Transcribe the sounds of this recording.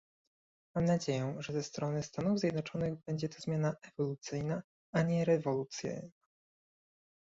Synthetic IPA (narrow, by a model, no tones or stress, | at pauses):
mamnad͡ʑejɛʐɛzɛst̪ɾɔnɘst̪anuvzʲjɛd̪nɔt͡ʂɔnɘɣbɛɲd͡ʑɛt̪ɔzmʲjanaʔɛvɔlut̪sɘjna | aɲɛɾɛvɔlut̪sja̰jna